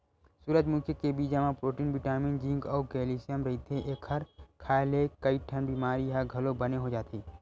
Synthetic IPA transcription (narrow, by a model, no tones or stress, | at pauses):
suːɾəd͡ʒmʊkʰjekebiːd͡ʒamãpɾoːʈiːnbɪʈaːmĩnd͡ʒĩŋɡɔːkɛːliːsijəmɾɐɦit̪ʰeʔeːkʰhɐɾkʰaːlekəiʈʰənbimaːɾijɦaɡʱɐlobɐneɦod͡ʒaːt̪eː